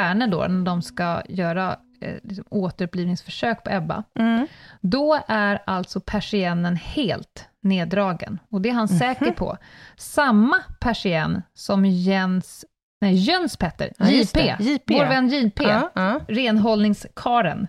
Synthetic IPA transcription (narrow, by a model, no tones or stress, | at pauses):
æːɳəɖɔ̰ːnæɖɔmskajœːɾa̰ | lɪksɔmoːt̪əɾɵpːliːvnɪŋsfœʂøːk̚pʰɔɛbːa̰ | d̪ɔæɾalt̪sɔpʰæʂɪɛnːənheːlt̪neːd̪ɾɑːɡə̰nɔd̪ɛːɾhansɛːkəɾpʰɔ̰samːapʰæʂɪɛnːsɔmjɛns | nɛjœnspʰɛt̪ːə̰ɾ | voːɾvɛnːjiːpʰeːɾeːnɦɔlnɪŋskʰɑːɾə̰n